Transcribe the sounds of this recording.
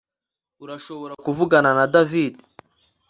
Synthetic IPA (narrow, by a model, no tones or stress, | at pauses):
uɾaʃo̞βo̞ɾakuvuɡananadavidi